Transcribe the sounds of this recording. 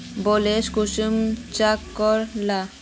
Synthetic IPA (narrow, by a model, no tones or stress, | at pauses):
boleʃkuʃumt͡ɕakːɔɾla